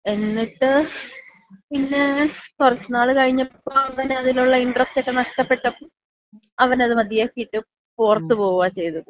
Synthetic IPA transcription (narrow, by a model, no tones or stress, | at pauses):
e̞nːiʈːɨ | pinːe̞kurɐt͡ɕːunːaːɭɨkɐɻiɲːɐpːoːɐʋɐnɐðiluɭːɐiɳɖrɐstokːenɐʂʈɐpːe̞ʈːɐpːoː | ɐʋɐnɐðɨmɐd̪ijaːkːiiʈːɨ | purɐt̪ːɨpo̞ːɣuʋaːt͡ɕe̞jt̪uu